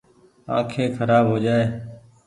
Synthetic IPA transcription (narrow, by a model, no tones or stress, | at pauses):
ã̰ːkʰeːkʰəɾaːbɦoːd͡ʒaːeː